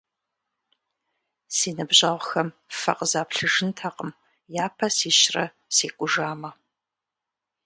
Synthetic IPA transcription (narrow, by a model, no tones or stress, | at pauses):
siːnɨbʑɐʁʷxɐmfɐ̰qəzaːpɬɨʒɨntʰɐqəm | jaːpʰɐsiːʃrɐ̰ | seːqʷʼʊʒaːmɐ